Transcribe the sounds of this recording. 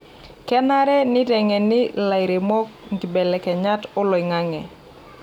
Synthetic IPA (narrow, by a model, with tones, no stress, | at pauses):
kɛ˦na˦ɾɛ˦nɪ˦dɛ˨ŋɛ˨nɪ˦la˨jɾe˨mɔ˦kŋɡi˨bɛ˨lɛ˨kɛ˨ɲa˦tɔ˦lɔ˨ɪ˨ŋa˦ŋɛ̰˨